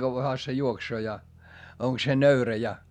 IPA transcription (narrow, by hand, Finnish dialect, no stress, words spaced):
kɑʋːɑhɑ se juoksoː jɑ oŋk se nøyræ jɑ